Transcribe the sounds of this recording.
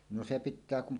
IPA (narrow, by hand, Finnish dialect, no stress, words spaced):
no se pitˑæː kum